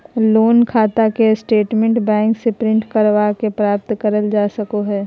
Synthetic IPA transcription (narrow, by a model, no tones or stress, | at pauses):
loːnkʰaːt̪akesʈeːʈmẽɳʈbɛ̃ːŋksepɾɪ̃ɳʈkəɾʋakepɾaːp̚t̪kəɾəld͡ʒaːsɐkoɦɛː